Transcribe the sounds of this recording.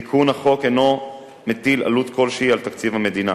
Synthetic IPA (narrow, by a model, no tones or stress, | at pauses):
ikʰunhaχo̞keno̞ | met̪ila̰lut̪kʰo̞lʃeialt̪akt͡sivhamed̪ina